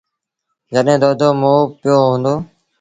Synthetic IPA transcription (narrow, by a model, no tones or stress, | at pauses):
d͡ʒəɗɦẽːd̪oːd̪oːmoːpɪjoːɦõːnd̪oː